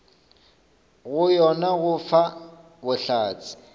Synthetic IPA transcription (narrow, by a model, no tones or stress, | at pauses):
ɣʊjɔnaɣʊfa | bʊɬaːt͡sʼɪ̥